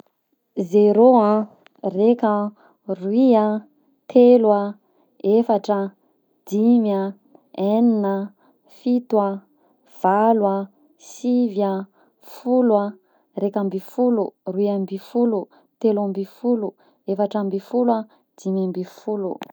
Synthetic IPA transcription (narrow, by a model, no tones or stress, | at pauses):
zeɾoã | rekə | ruia | t̪ʰelwa | efaʈ͡ʂə | d̪̥imja | eninə | fit̪wa | v̥alwa | siva | fulwa | rekambifuluruiambifulu | t̪elambifulu | efaʈ͡ʂambifula | d̪̥imambifulṵ